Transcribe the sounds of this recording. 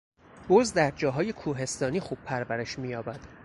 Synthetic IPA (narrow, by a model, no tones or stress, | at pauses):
b̥ozd̪æɾd͡ʒɒːɦɒːje̞kʰuːɦe̞st̪ɒːniːxuːb̥̚pʰæɾvæɾe̞ʃmijɒːbæd̪̥